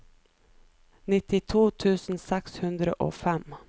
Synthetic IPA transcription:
nɪt̪ɪt̪ʰuːt̪ʰʉːsn̩sɛkshʉnd̪ɾəʔo̰ːfɛm

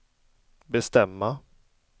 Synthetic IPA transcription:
bɛst̪ɛmːa

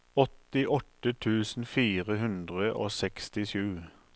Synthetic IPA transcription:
ɔt̪ɪʔɔt̪ət̪ʰʉːsn̩fiːʁəɦʉnd̪ʁəʔo̰ːsɛkst̪ɪʃʉː

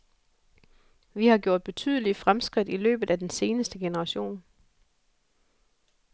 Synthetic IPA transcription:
ʋihɑ̈ɡ̥jo̝ɐ̰d̥̚b̥e̝t͡sʰy̰ːð̞ˠəlifʁamsɡ̥ʁid̥ilø̰ːb̥ð̞̩ˠæd̥ense̝ːnəsd̥əɡ̥enəʁɑ̈ɕo̝̰ːn

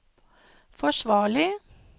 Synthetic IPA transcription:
fɔʃʋɑːɭɪ

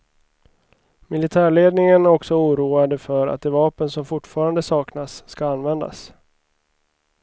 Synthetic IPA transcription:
mɪlɪt̪ʰæːɭeːd̪nɪŋənæɾɔksɔuːɾuːad̪əfœɾa̰t̪̚d̪ɛvɑːpənsɔmfʊʈːfɑːɾand̪əsɑːknasːkaanːvɛnd̪a̰s

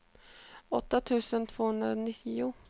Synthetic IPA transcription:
ɔt̪ːat̪ʰʉ̟ːsənt̪ʰv̥oːhɵnd̪ɾaɔnɪt̪ʰːɪʊ

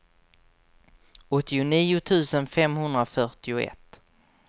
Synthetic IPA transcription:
ɔt̪ːɪʊniːʊt̪ʰʉ̟ːsənfɛmhɵnd̪ɾafœʈɪʊɛ̰t̪ː

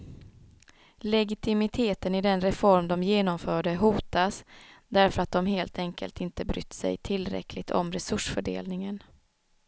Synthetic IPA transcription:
lɛɡɪt̪ʰɪmɪt̪ʰeːt̪ənɪd̪ɛnɾɛfɔɾmd̪ɔmjeːnɔmfœːɖəɦuːt̪asd̪æɾfœɾat̪̚d̪ɔmɦeːlt̪ʰɛŋkʰə̰lt̪ɪnt̪əbɾʏ̰t̪ːsɛ̰jt̪ʰɪlːɾɛ̰kʰlɪɡt̪ʰɔ̰mɾɛsɵʂfœɖḛːlnɪŋən

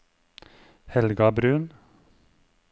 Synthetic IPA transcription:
hɛlɡɑbɾʉːn

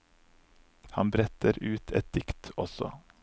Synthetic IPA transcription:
hɑnbɾɛt̪əɾʉːt̪ʰɛ̰t̪̚d̪̥ɪkt̪ɔsɔ̰

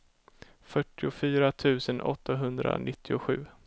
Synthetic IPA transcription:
fœʈːɪʊfyːɾat̪ʰʉ̟ːsənʔɔt̪ʰːaɦɵnd̪ɾa̰nʔɪt̪ʰːɪʊɧʉ̟ː

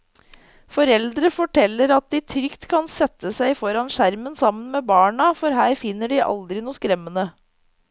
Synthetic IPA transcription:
fɔɾɛld̪ɾəfɔʈʰɛlːəɾɑt̪̚d̪ɪt̪ʰɾʏkt̪kʰɑnsɛt̪ːəsæɪfɔɾɑnʃæɾmənsɑmːənmeːbɑːɳɑfɔɾɦæːɾfɪnːəɖɪʔɑ̰ld̪ɾɪnuːskɾɛmːənə

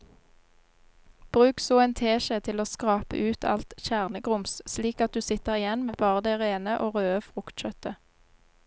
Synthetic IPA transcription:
b̥ʁʉːksoːent̪ʰeːʃət̪ʰɪloːskʁɑːpə̰ʔʉːt̪ʰɑ̰lt̪çæːʁnəɡʁʊmssliːkɑt̪̚d̪ʉːsɪt̪əʁɪjɛnmeːbɑːʁəd̪eːʁeːnəʔoːʁøːəfʁʊkt̪c͡çœt̪ə

